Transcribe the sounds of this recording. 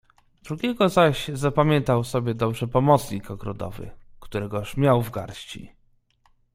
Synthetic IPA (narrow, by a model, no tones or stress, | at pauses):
d̪̥ɾuɡʲɛɡɔzaɕzapamʲjɛnt̪awsɔbʲjɛd̪ɔbʐɛpɔmɔt̪sɲikɔɡɾɔd̪ɔ̰vɘ̰kt̪uɾɛɡɔʂmʲjawvɡa̰ɾɕt͡ɕḭ